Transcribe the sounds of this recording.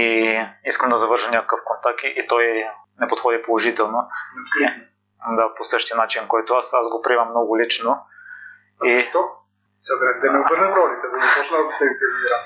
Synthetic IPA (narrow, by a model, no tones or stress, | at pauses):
iiskəmd̪ɐzɐvɤɾʒəmnʲakəkəfkont̪ak̚t̪iʔit̪ɔj | nɛpot̪xɔd̪ipolˠoʒit̪ɛlˠno | d̪aposɤʃt̪iənat͡ʃinkɔjt̪ʊasazɡopɾiɛmɐmnɔɡʊlit͡ʃno | it̪ɔ | sɛɡɾɛkd̪ɛnɛobəɾnəmɾɔlit̪ɛnɛzɐpɔt͡ʃnazd̪ɐt̪ɐint̪ɛɾviɾa